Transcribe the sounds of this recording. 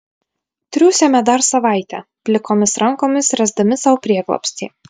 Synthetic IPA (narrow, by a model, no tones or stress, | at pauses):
t̪ʲɾʲuːsʲɛmʲɛd̪ɐɾsɐʋɑˑɪt̪ʲɛpʲlʲɪkoːmʲɪsɾɐŋkoːmʲɪsɾʲɛzd̪ɐmʲɪsɐʋʊpʲɾʲiɛɡlˠɔ̰pʲsʲt̪ʲḛː